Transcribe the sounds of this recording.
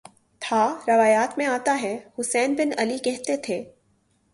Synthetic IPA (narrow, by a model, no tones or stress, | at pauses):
t̪ʰaːɾɐʋaːjaːt̪mẽaːt̪aɦɛhʊsɛːnbɪnɐlikɛɦt̪et̪ʰeː